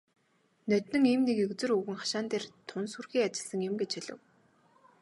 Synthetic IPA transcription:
nœt̪nɵ̆ŋiːmnekɵkt͡sɘ̆rɵɣɘ̆ŋχḁʃaːnt̪eːrt̪ʰʊnsurxiːat͡ɕɪ̆ɮsə̆ŋjʊ̆mɡet͡ɕʰxiɮɘ̰̆w

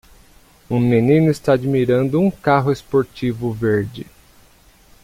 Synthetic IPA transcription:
ũminĩnʊest̪aad͡ʒimiɾɐ̃nd̪ʊũkaɦʊespoɾt͡ʃivʊveɾd͡ʒɪ

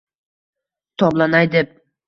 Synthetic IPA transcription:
t̪ʰɒblˠanajd̪ep̚

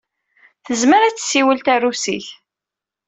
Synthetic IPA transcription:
θəzməɾæt͡sːsːiwəlt̪ærusḭç

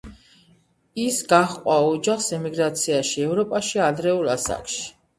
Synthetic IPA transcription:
isɡaχqʼwaɔd͡ʒaχsɛmiɡɾat̪sʰiaʃiɛvɾɔpʼaʃiad̪ɾɛulasa̰kʼʃi̥

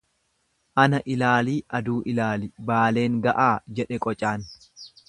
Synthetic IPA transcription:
ʔɐnɐʔɪlaːliːʔɐd̪uːʔɪlaːlɪbaːle̞ːŋɡɐʔaːd͡ʒɛᶑɛkʼɔt͡ʃʼaːn

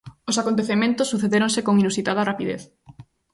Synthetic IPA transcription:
osakont̪eθemẽnt̪ʊsːuθeðeɾoŋsekoŋinusit̪að̞ɐrapiðḛθ

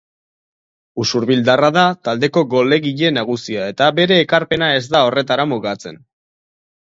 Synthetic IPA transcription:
usuɾβild̪araðat̪ald̪e̞ko̞ɡo̞le̞ɣiʎe̞naɣ̞usiae̞t̪abe̞ɾe̞ːkaɾpe̞nae̞zd̪ao̞re̞t̪aɾamuɣat͡se̞n

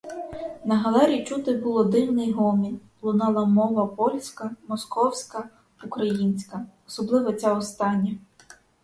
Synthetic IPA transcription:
nɐɦɐlˠɛɾʲit͡ʃut̪ɪbulˠɔd̪ɪwnɪjɦɔmʲinʲ | lˠʊnɑlˠɐmɔʋɐpɔlʲsʲkɐmɔskɔwsʲkɐ | ukɾɐjinʲsʲkɐɔsɔblˠɪʋɐt͡sʲaɔst̪ɑnʲːɐ

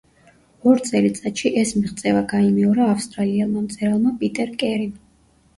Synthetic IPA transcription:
ɔɾt̪sʼɛlit̪sʼat̪ʃiʔɛsmiʁt̪sʼɛvaɡaimɛɔɾaːfst̪ʼɾaliɛlˠmamt̪sʼɛɾalˠmapʼit̪ʼɛɾkʼɛɾin

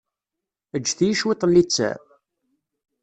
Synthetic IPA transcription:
əd͡ʒːθijəʃwɪt̪ˤːənːit͡sːæ̰

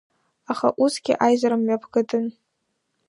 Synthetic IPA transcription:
aχa̰ʔusɡʲɪʔajzaɾɨmɥapʰɡɨtʰʼɨn

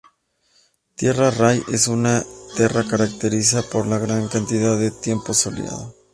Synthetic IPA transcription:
t̪je̞raraje̞sunat̪je̞rakaɾak̚t̪e̞ɾisapo̞ɾlaɣɾaŋkant̪iðaðe̞t̪je̞mpo̞solj̰a̰ðo

